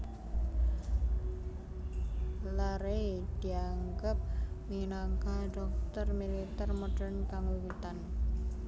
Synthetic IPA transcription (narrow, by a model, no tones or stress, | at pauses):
laɾed̪̥i̤aŋɡap̚minaŋkaɖɔk̚t̪ərmilit̪ərmɔɖərnkaŋuwit̪an